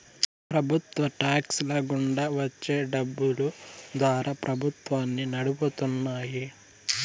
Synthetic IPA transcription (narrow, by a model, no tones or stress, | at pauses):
pɾɐbʱut̪ʋɐʈaːkslɐɡuɳɖɐʋɐt͡ʃːe̞ːɖɐbːulud̪ʋaːɾʔapɾʔɐbʱut̪ʋaːnːinɐɽuput̪unːaːji